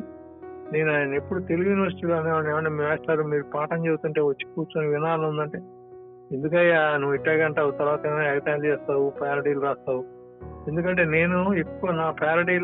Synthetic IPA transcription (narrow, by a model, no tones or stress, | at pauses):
neːnaːjnɐepːuɽut̪e̞liujuːniʋɐɾsiʈiːloːɐneːʋɐɳɖeːʋɐɳimiːʋɛːst̪aːɾumiːɾupaːʈɐɲt͡ʃebut̪uɳʈe̞ːʋɐt͡ʃːi̥kuːɾt͡ʃoniʋinaːlɐund̪ɐɳʈe̞ː | end̪uk̬ɐjanuʋːiʈːaːkɐɳʈaːwut̪ɐɾʋaːt̪ɐeːmɐɐjɐt̪aːlt͡ʃɛːst̪aːwupʰaːɾɐʈiluɾaːst̪aːwu | e̞nd̪ukɐɳʈe̞ːne̞ːnuekːuʋɐnaːpʰaːɾɐʈiːl